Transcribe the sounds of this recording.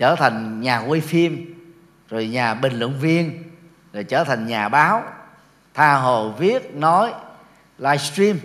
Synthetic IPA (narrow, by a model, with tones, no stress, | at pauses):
t͡ɕəː˧˩t̪ʰa˨˩jŋ̟ɲaː˨˩wi˧fi˧əm | zo˨˩jɲaː˨˩ɓï˨˩ŋlwɨ̰˧˨əŋvi˧ən | zo˨˩jt͡ɕəː˧˩t̪ʰa˨˩jŋ̟ɲaː˨˩ɓaː˨˦w | t̪ʰaː˧ɦo˧˨˩jvi˦˥ət̚nɔ˨˦j | laː˧jst̪ɾi˧m